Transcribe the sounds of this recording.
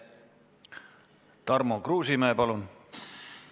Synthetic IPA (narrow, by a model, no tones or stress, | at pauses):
t̪ɑrmokruːsimæepɑlun